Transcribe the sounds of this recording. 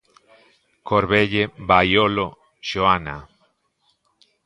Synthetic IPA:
koɾβeʎebajolo | ʃoana̰

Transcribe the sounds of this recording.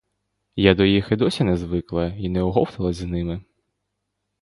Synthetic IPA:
jad̪ɔjixɪd̪ɔsʲinɛzʋɪklˠɐinɛɔɦɔwt̪ɐlˠɐzʲznɪmɪ

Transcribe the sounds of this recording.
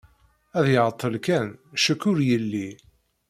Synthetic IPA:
æðjəʁət̪ˤːəlkænʃəkːʊɾjəlːi

